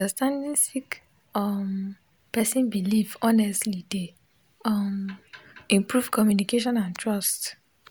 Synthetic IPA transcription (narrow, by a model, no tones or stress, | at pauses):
astãndĩnsik | ʌm | pɛsĩnbilivɔnɛstlide | ɔm | ĩmpɹuvkʰɔmjunikeʃɔ̃nãntʰɹɔst